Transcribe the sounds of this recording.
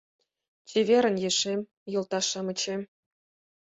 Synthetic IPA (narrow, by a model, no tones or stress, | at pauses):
t͡ɕevʲeɾʲə̆njeʂemʲ | jɤ̆lˠt̪ɑʂɤ̆mɤ̆t͡ɕe